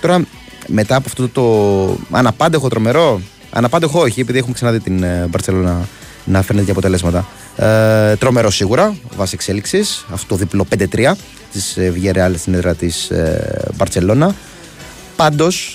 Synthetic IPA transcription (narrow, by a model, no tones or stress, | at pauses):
t̪o̞ɾɐ | me̞t̪ɐːpoɐft̪ot̪o̞ɐ̰nɐpɐnd̪exo̞t̪ɾo̞me̞ɾo̞ | ɐ̰nɐpɐnd̪exooçiepiðiexumeksɐnɐðit̪inbɐɾtselo̞nɐ | nɐfɾnet̪cɐpo̞t̪e̞le̞zmɐt̪ɐ | t̪ɾo̞me̞ɾo̞siɣuɾɐvɐsiekse̞liksisɐft̪ot̪oðiplo̞pe̞nd̪e̞t̪ɾiɐ | t̪isvʝeɾeɐlesineðɾɐt̪isbɐɾt̪se̞lo̞nɐ | pɐnd̪o̞s